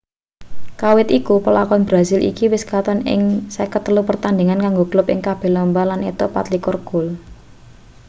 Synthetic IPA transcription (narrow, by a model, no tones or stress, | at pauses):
kawɪt̪ikupəlakɔnbɾazilʔḭkiwɪskat̪ɔnɪ̰ŋsɛkət̪əlupərt̪and̪eŋankaŋɡoɡ̥lʊpɪ̰ŋkab̥ɛ̤lɔmbalanit̪ɔpa̰t̪likɔrɡ̥ʊ̤l